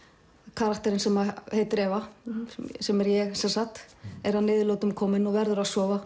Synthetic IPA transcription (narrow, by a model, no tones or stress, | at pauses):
kʰaːɾakt̪ɛɾɪnsɛmahejt̪ːɾɛːva | sɛmɛɾjɛɣsɛnsaht̪ɛɾhaðnɪːðɪloːwt̪ʏmkʰɔːmɪnɔɣvɛɾðʏɾaðsɔːva